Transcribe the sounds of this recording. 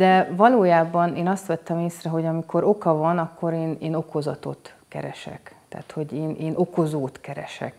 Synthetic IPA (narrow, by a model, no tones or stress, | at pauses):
d̪̥ɛvɒloːjaːbɒneːnɒst̪ʋɛt̪ːɛmeːsrɛɦo̞ɟɒmikʰo̞ɾo̞kɒvɒnɒkːo̞ɾeːneːno̞ko̞zɒt̪o̞̰t̪ | kɛ̰ɾɛ̰ʃɛ̰kt̪a̰ːt̪ho̞ɟeːnʔeːnʔo̞ko̞zoːt̪kɛɾɛ̰ʃɛ̰k